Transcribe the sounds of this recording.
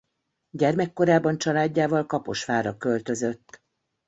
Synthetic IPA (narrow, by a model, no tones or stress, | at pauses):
ɟɛrmɛkːo̞ɾaːbɒnt͡ʃɒlaːɟːaːvɒlkɒpo̞̰ʃfaːɾɒkø̞lt̪ø̞zø̞t̪ː